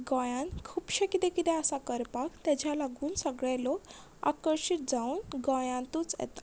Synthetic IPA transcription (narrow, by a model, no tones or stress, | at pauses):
ɡɔ̃jankʰupɕekid̪ekid̪easakəɾpakt̪ɛd͡ʑʰʱjãlaɡunsəɡɭɛlok | a̰kəɾsit̪̚d͡zaunɡɔ̃jãnt̪ut͡sḛt̪